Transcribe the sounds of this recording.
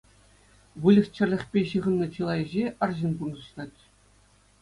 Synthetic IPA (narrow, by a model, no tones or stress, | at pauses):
ʋɯlʲɘ̆xʲt͡ɕɘ̆rʲlʲɘ̆χʲpʲeɕɯʁɤ̆nːɤ̆t͡ɕɯlˠɑjɘ̆ʑeʔɑrʑinpunɤ̆ɕlˠɑtʲ